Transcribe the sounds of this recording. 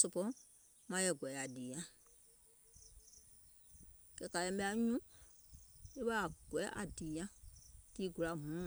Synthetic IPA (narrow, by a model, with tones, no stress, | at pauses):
so˧pɔ̃˦ | mã˧˦jɛ˧˨ɡɛ˨a˨diː˨ɲã˦ | kɛ˧˨ka˨lɛ̃˧˦ɓɛ˧˦a˧˦ɲũ˦ | e˦ɓa˦a˨ɡ̥wɛ˨˦ʔa̰˨diː˨jã˦tiː˦ɡu˨la˨mũ˨˦mã˨